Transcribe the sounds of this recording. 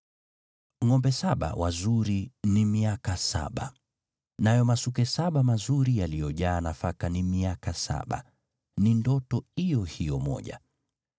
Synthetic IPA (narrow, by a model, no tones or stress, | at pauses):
ŋɔmbɛsaɓa̰wʔazuɾinimiakasa̰ɓa̰ | najɔmasukɛsaɓamazuɾijalijɔʄaːnafakanimiakasa̰ɓa̰ | nindɔtɔijɔhijɔmɔ̰ʄa̰